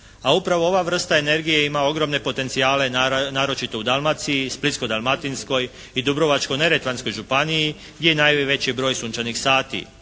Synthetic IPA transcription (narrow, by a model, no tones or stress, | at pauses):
aupɾaʋo̞o̞ʋaʋr̩st̪ae̞ne̞ɾɡije̞imao̞ɡɾo̞mne̞po̞t̪e̞nt̪sijaːle̞naːɾo̞t͡ʃit̪o̞ud̪alˠmat̪sijisplit̪sko̞d̪almat̪insko̞j | id̪ubɾo̞ʋat͡ʃko̞jne̞ɾet̪ʋansko̞jʒupanii | ɡdʲjejenaːjʋe̞t͡ɕibɾo̞ːjsuːnt͡ʃanixsaːt̪ḭ